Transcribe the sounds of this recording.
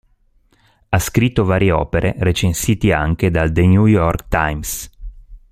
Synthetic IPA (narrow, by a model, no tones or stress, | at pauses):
askɾit̪ːovaːɾjeɔ̰ːpeɾeɾet͡ʃensiːt̪ia̰ŋk̟ed̪ald̪eɲujɔrkt̪ajms